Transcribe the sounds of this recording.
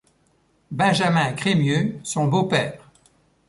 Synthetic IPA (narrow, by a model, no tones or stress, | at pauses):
bɛ̃ʒamɛ̃kχemjøsɔ̃bopɛːʁ